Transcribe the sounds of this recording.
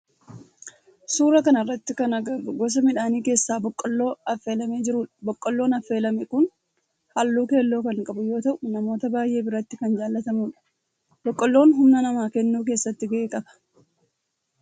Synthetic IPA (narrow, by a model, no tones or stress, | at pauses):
suːɾɐkɐnɐrːɐt̪ːɪkɐnɐɡɐɾʊɡɔs̬ɐmɪᶑaːniːke̞ːsːaːbɔkʼːɔlːo̞ːɐfːe̞ːlɐmeːd͡ʒɪɾuːᶑɐ̥bɔkʼːɔlːo̞ːnɐfːe̞ːlɐmɛkʊn | hɐlːuːke̞ːlːo̞ːkɐŋkʼɐbʊjo̞ːt̪ɐʔʊnɐmo̞ːt̪ɐbaːjʔe̞ːbɪɾɐt̪ːɪkɐnd͡ʒaːlːɐt̪ɐmuːᶑɐ̥ | bɔkʼːɔlːo̞ːnɦʊmnɐnɐmaːkɛnːuːk̬e̞ːsːɐt̪ːɪɡeeːkʼɐbɐ̥